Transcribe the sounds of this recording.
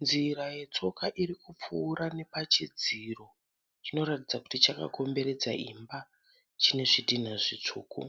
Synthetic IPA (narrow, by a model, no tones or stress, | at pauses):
nziɾaje̞t͡so̞kaʔirikup͡fuːɾane̞pat͡ʃid͡ziro̞ | t͡ʃino̞ɾatid͡zaku̥tit͡ʃaka̰ko̞mbe̞ɾe̞d͡zaʔimba | t͡ʃine̞ʐidin̤aʐit͡ʂuːkṵ